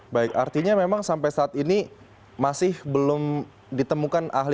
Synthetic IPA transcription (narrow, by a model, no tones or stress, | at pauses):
baɪkart̪iɲamemaŋsampajsaːt̪ini | masɪhbəlʊm | dit̪əmukanʔa̰ɦli